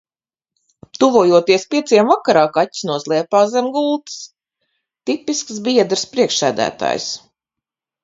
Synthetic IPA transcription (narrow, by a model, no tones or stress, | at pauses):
t̪uvuɔjuɔt̪iɛspʲiɛt̪siɛmvakaɾaːkatʲːsnuɔzlˠɛɛpaːzɛmɡulˠt̪s | t̪ipisksbiɛd̪ɾspɾiɛkʃæ̰ːd̪æ̰ːt̪a̰ːjs